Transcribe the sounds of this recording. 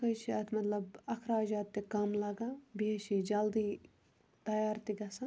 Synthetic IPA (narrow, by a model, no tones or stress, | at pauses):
kɐt͡ʃʰiɐt̪ʰmɐt̪lɐbɐkʰɾaːd͡ʒaːt̪ːikamlaɡabieʃid͡ʒɐld̪iː | t̪ɐjaːɾt̪iɡɐsa